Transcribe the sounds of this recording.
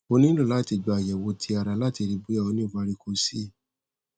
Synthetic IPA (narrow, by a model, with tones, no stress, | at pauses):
o˧nĩ˦lo˦˨la˦˨ti˧ɡ͡ba˨jɛ˨wo˧tʰi˧a˨ɾa˨˧˦la˦ti˧ɾi˧bu˦ja˦˧o˧˦nĩ˦o˦˨ba˦ɾi˧ko˧si˦˨